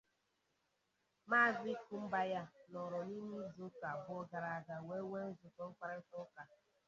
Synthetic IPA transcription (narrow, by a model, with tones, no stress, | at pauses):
ma˦˨zi˦ku˦m̩˦ba˦ja˦nɔ˨ɾɔ˨ni˦m̩˦zo˦ta˨bʊ˦ɔ˦ɡa˨ɾa˨a˨ɡa˨we˦we˦n̩˦zʊ˨tɔ˦ŋ̩˦k͡pʷa˦ɾa˦ŋ̩˦kʊ˦ka˦